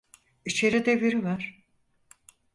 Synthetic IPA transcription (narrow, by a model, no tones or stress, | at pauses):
it͡ʃʰeɾid̪eveɾivaɾ̥